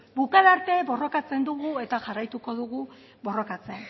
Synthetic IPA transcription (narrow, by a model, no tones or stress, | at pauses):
bukaðaɾt̪e̞βo̞ro̞kat͡se̞nd̪uɣue̞t̪aʝarajt̪uko̞ðuɣu | βo̞ro̞kat͡se̞n